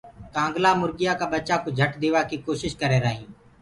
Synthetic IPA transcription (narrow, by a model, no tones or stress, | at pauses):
kãːŋɡlaːmʊɾɡɪjaːkabətːt͡ʃaːkod͡ʒʱəʈd̪eːʋaːkikoːʃɪʃkəɾeːɾəːɦĩː